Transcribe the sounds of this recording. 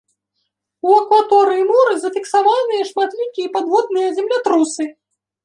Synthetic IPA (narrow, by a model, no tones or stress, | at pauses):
uɐkvat̪ɔɾɨjimɔɾɨzɐfʲiksavanɨjɐʂmat̪lʲikʲijɛpad̪vɔd̪̚nɨjɐzʲɛmlʲat̪ɾusɨ